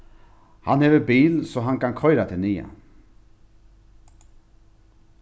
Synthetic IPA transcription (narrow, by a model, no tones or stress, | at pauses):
hanheːʋəbiːlsɔɦankankʰɔʏɾat̪ʰɪlniːa̰